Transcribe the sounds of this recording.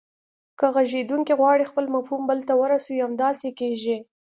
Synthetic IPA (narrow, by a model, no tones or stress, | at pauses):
kəɣaʒed̪uŋkiɣwɑɽixpəlmafhumbəlt̪awəɾasawiamd̪ɑsekeʒi